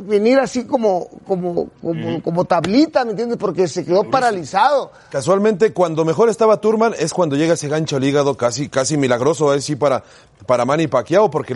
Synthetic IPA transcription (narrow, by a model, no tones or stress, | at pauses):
βeniɾasiko̞mokomokomoko̞mo̞t̪aβlit̪ame̞nt̪jend̪espo̞ɾkese̞ke̞ðo̞paɾalisaðo | kaswalmẽnt̪e̞kwand̪o̞me̞xo̞ɾest̪aβat̪uɾmãne̞skwand̪o̞ʝeɣaese̞ɣant͡ʃoliɣaðo̞kasikasimilaɣɾo̞so̞esipaɾa | paɾamãnipakjaopo̞ɾke